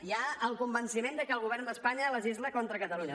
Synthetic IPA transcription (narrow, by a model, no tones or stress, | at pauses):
iaəlˠkumbənsimend̪əkəlˠɣ̞uβ̞ɛrnd̪əspaɲələzizləkɔnt̪ɾəkət̪əluɲə